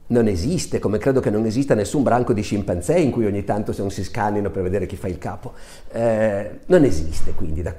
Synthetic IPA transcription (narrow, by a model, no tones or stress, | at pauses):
nonezist̪ekomekɾeːd̪okenːonezist̪anesːumbɾaŋkod̪iʃimpant̪sɛiŋkujoɲːit̪ant̪osenonsiskanːinoperved̪eːɾek̟ifːailkaːpo | ɛnonezist̪ekwind̪id̪a